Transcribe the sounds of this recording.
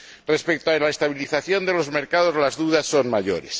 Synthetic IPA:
re̞spe̞k̚t̪oelaest̪aβ̞iliθaθjo̞nd̪e̞lo̞zmeɾkað̞o̞zlazðuðasːo̞nmaʝo̞̰ɾe̞̰s

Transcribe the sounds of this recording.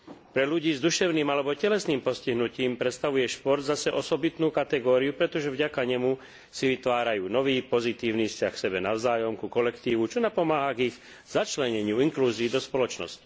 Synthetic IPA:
pɾɛluɟiːzd̪uʃɛʊniːmalɛbɔcɛlɛsniːmpɔsciɦnuciːmpɾɛt̪st̪aʋujɛʃpɔɾd̪zasɛʔɔsɔbit̪nuːkat̪ɛɡɔːɾiupɾɛt̪ɔʒɛvɟakaɲɛmu | siʋit̪ʋaːɾajuːnɔʋiːpɔzit̪iːʊniːfscaxfsɛbɛnaʊzaːjɔmkukɔlɛkt̪iːʋut͡ʃɔnapɔmaːɦaɡiɣ | zat͡ʃlɛɲɛɲɪuiŋkluːziːd̪ɔspɔlɔt͡ʃnɔ̰sci̥

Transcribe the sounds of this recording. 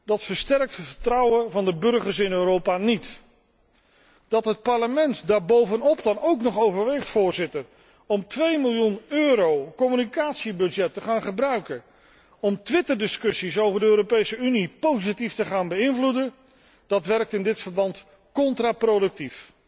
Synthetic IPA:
d̥ɑtfəɹstɛrk̚tətfəɹtrɑwənvɑndəbɵrχəɹsɪnøːɾowpaːnit | d̥ɑtɦət̚pɑɹləmɛntdaːɹbowvənɔpdɑnowknɔχowvəɹʋeχtfʊːɹzɪtər | ɔmtʋejmɪlˠjunøːɾowkɔmynikaːtsibɵd͡ʒɛtəχaːnχəbrœɥkə | ɔmtʋɪtəɹdɪskɵsisowvəɹdəøːɾopejsəynipowzitiftəχaːnbəɪnvludə | d̥ɑtʋɛrk̚tɪndɪtfəɹbɑnt | kɔntraːprowdɵk̚tif

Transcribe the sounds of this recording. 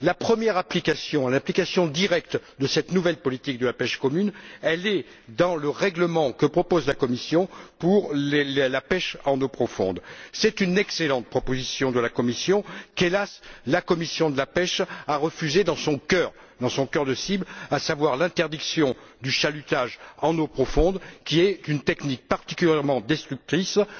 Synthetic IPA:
lapχəmjɛʁaplikasjɔ̃lɛ̃plikasjɔ̃d̪iʁɛk̚t̪d̪əsɛt̪nuvɛlpɔlit̪ik̚d̪əlapɛʃkɔmynɛlɛ | d̪ɑ̃ləʁɛɡləmɑ̃kəpχɔpozlakɔmisjɔ̃puʁllapɛʃɑ̃nopχɔfɔ̰̃d̪sɛt̪ynɛkselɑ̃t̪̚pχɔpozisjɔ̃d̪əlakɔmisjɔ̃kelaslakɔmisjɔ̃d̪əlapɛʃaʁəfyzed̪ɑ̃sɔ̃kœʁ | d̪ɑ̃sɔ̃kœʁd̪əsiblasavwaʁlɛ̃t̪ɛʁd̪iksjɔ̃d̪yʃalyt̪aʒɑ̃nopχɔfɔ̃d̪kʲiɛt̪ynt̪ɛknik̚paʁt̪i̥kʲyljɛʁmɑ̃d̪ɛst̪χyk̚t̪χis

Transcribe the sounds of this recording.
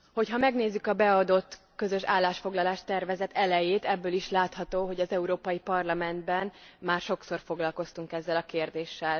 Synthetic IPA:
ho̞chɒmɛɡneːzːykɒbɛɒd̪o̞t̪ː | kø̞zø̞ʃaːlːaːʃfo̞ɡlɒlaːʃt̪ɛrvɛzɛt̪ɛlɛjeːt̪ɛbːøːliʃlaːt̪hɒt̪oːɦo̞ɟɒzɛuɾoːpɒjipɒrlɒmɛnd̪bɛnmaːrʃo̞kso̞rfo̞ɡlɒlko̞st̪uŋkɛzːɛlɒkeːrd̪eːʃːɛl

